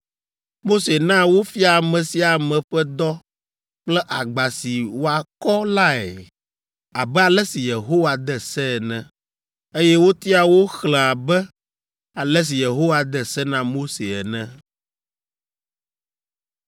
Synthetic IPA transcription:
mo˦se˨nã˦wo˦fi˦a˨mɛ̃˨si˨a˨mɛ̃˨ɸɛ˦d̪ɔ˦ | k͡plɛ˦ʔa˨ɡ͡ba˨si˨wo˦a˨kɔ˦la˦ɛ̰˨ | a˨bɛ˦a˨lɛ˦si˨je˨ɦo˦wa˨d̪ɛ˦sɛ˦ɛ˨nɛ̃˦ | e˦jɛ˦wo˦t̪i˦a˨wo˦xlɛ̃˨a˨bɛ˦ | a˨lɛ˦s̬i˨je˨ɦo˦wa˨d̪ɛ˨sɛ˦nã˦mo˦se˨ɛ̰˨nɛ̃˦

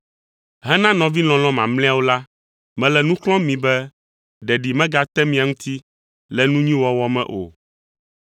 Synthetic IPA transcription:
ɦɛ˦nã˦nɔ̃˨vi˦l̃ɔ̃˨lɔ̃˦mã̰˨ml̃ɛ̃˦a˨wo˦la˦ | mɛ̃˨lɛ˨nũ˦klɔ̃˦mĩ˨bɛ˦ | ɖɛ˨ɖi˨mɛ̃˦ɡa˨t̪ɛ˦mĩ˨a˨ŋũ˦t̪i˦ | lɛ˨nũ˦ɲĩ˦wɔ˦wɔ˦mɛ̰̃˦ʔo̰˨

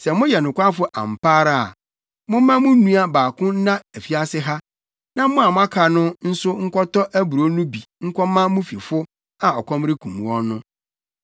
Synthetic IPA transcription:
sɛ˨mʊ̃˦jɛ˨nʊ̃˨kʷa˦fʊ˦ʔã̰˨m˨pʰaː˦ɾa˨a˨ | mʊ̃˦mã˦mʊ̃˦nũ˦a˦baː˨kʰʊ̃˦nã˦æ˨fi˦a˦sɪ˦ɦa˦ | nã˦mʊ̃˦a˨mʊ̃˦a˦kʰa˨nʊ̃˦n̩˦sʊ˦ŋ̩˦kʰɔ˦tɔ˦ʔæ˦bu˨ɾo˦nʊ̃˦bi˨ŋ̩˦kʷʰɔ˦mã˦mʊ̃˦fi˨fʊ˦ | a˨ɔ˨kʰɔ̃˦mɾɪ˦kʰũ˨m˨wɔ̃˦nʊ̃˦

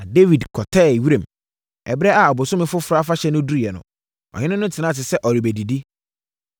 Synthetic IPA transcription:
a˨de˦vi˨dkʰɔ˨tʰɛː˦˨ɥi˦ɾẽ˨m | ɛ̰˨bɾɛ˦a˨a˨bʊ˨sʊ˦mɪ̃˦fʊ˦fʊ˨ɾa˦fa˦ɕɛ˦nʊ̃˦du˦˨ɛ˨nʊ̰̃˨ | ɔ̰˨hɪ̃˦nʊ̃˦nʊ̃˦tʰɪ˨nã˦˨tɪ˨sɛ˦ʔɔ˨ɾi˨bæ˨di˨di˦

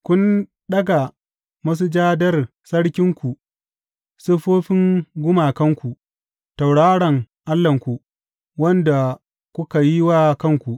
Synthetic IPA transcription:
kʷʊ˦n | ɗɐ˦ɡa˨ | mɐ˦s̬u˦d͡ʒaː˦dɐ˦r | sɐ˦ɽkʲɪ˦ŋkʷu˨ | sʊ˦ɸoː˦ɸɪ˦ŋɡʷʊ˦maː˨kɐ˦ŋkʷu˨ | ta˨wɽaː˦ɽɐ˨ŋ | ʔa˦lːɐ˨ŋkʷu˨ | wɐ˦nda˨ | kʷʊ˦ka˨ji˦waː˦kɐ˦˨ŋkʷu˨ʔ

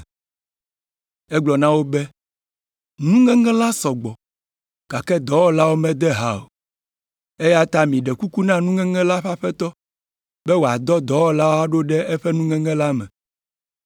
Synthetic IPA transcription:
ɛ˦ɡ͡blɔ˨nã˦wo˦bɛ˦ | nũ˦ŋɛ̃˦ŋɛ̃˦la˦sɔ˨ɡ͡bɔ˨ | ka˨kɛ˦d̪ɔ˨˦wɔ˦la˦wo˦mɛ̃˦d̪ɛ˦ɦa˨o̰˨ | e˦ja˦t̪a˦mĩ˨ɖɛ˨ku˦ku˦nã˦nũ˦ŋɛ̃˦ŋɛ̃˦la˦ɸa˦ɸɛ˦t̪ɔ˦ | bɛ˦wo˨a˨d̪ɔ˦d̪ɔ˨˦wɔ˦la˦wo˦a˦ɖo˦ɖɛ˦ɛ˦ɸɛ˦nũ˦ŋɛ̃˦ŋɛ̃˦la˦mɛ̰̃˨

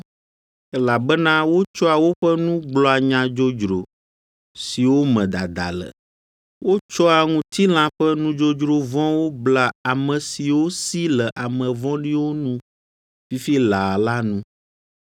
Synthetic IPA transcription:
ɛ˦la˨bɛ˦nã˦wo˦t͡ʃɔ˦a˨wo˦ɸɛ˦nũ˦ɡ͡blɔ˨a˨ɲã˨d͡ʒo˦d͡ʒɾo˨ | si˨wo˦mɛ̃˨d̪a˨d̪a̰˨lə̰˨ | wo˦t͡ʃɔ˦a˨ŋũ˨t̪i˦l̃ã˦ɸɛ˦nũ˦d͡ʒo˦d͡ʒɾo˨vɔ̃˦wo˦bla˨a˨mɛ̃˨si˨wo˦si˦lɛ˨ʔa˨mɛ̃˨vɔ̃˦ɖi˦wo˦nũ˦ | fi˦fi˦la˨la˦nũ˦

